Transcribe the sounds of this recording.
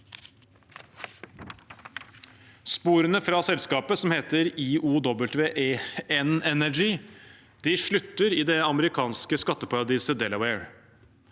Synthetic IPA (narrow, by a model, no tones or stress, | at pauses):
spuːɾənəfɾɑsɛlskɑːpəsɔmheːt̪əɾiːʔuːd̪ɔbəlt̪ʋeːʔeɛnɛnæd͡ʒiː | d̪̥ɪʂɭʉt̪ːəɾɪːd̪ɛɑməɾɪkʰɑːnskəskɑt̪ːəpʰɑɾɑd̪iːsəd̪ɛləwɛɪɹ